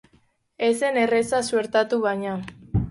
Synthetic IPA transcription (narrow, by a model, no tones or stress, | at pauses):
esene̞resasue̞ɾt̪at̪uβajɲa